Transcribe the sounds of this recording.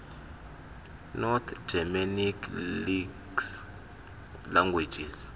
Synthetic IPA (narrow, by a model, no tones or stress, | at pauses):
nɔt̪ʰd͡ʒ̥ɛmanikʰliɡs | laŋɡwe̥d͡ʒiz